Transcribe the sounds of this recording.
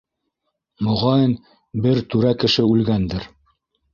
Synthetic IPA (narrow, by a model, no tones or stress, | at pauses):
mŏʁɑjɤn | bɘɾt̪ʉɾækɘ̆ʃɘʉlɡænd̪ɘɾ